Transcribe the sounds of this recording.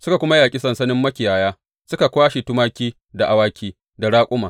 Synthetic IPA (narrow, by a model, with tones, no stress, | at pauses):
sʊ˦ka˨kʷʊ˦ma˦jaː˨kʲʼi˦sɐ˨nsɐ˦nɪ˦mːɐ˦kʲɪ˨jaː˨jaː˦ | sʊ˦ka˨kʷaː˦ʃi˨tʊ˦maː˦kʲiː˦ | da˨ʔa˨waː˦kʲiː˦ | da˨ɽaː˦kʷʼʊ˦maː˨